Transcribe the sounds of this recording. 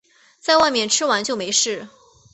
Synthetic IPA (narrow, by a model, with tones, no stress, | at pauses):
t͡sa˥˧ɪwa˥˧ɪmjɛ˥˩nʈ͡ʂʰɻ̩˥wa˧˥nt͡ɕjo˥˩ʊme˧˥ɪʂɻ̩˥˩